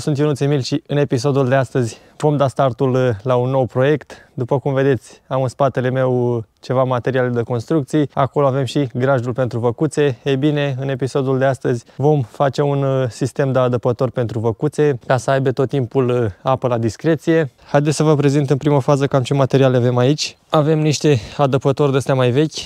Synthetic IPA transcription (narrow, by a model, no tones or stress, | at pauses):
sunt̪junut̪semilʲʃiɨne̞pis̬o̞d̪uld̪e̞ast̪əzʲ | vo̞md̪ast̪art̪ullaunːo̞wpɾo̞je̞kt̪d̪upəkumve̞d̪e̞t̪sʲamɨnspat̪e̞le̞me̞wt͡ʃe̞vamat̪e̞ɾialed̪əko̞nst̪ɾuk̚t̪sijako̞lo̞ave̞mʃiɡɾaʒulpe̞nt̪ɾuvəkut̪se̞ejbine̞ɨne̞piso̞d̪uld̪e̞ast̪əzʲvo̞mfat͡ʃe̞unsist̪e̞md̪əad̪əpət̪o̞rpe̞nt̪ɾuvəkut̪se̞kasəajbe̞t̪o̞t̪ːimpulapəlad̪iskɾe̞t̪sije̞hajd̪esʲsəvəpɾe̞zint̪ɨnpɾiməfazəkamt͡ʃe̞mat̪e̞ɾialeave̞mait͡ʃʲ | ave̞mniʃt̪e̞ad̪əpət̪o̞rʲd̪est̪eamajve̞kʲ